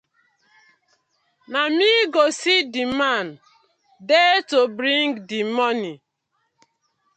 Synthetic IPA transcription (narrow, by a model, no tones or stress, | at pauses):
namiɡosidiman | detobɾĩŋɡdimɔni